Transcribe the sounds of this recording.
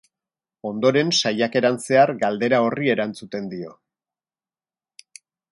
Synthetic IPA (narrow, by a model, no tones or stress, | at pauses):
o̞nd̪o̞ɾe̞nsajake̞ɾanse̞aɾɡald̪e̞ɾao̞rie̞ɾant͡sut̪e̞nd̪io̞̰